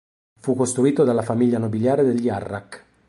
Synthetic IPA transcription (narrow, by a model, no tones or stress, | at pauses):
fukːost̪ɾuiːt̪od̪alːafamiʎːanobiljaːɾed̪eʎːiarːakː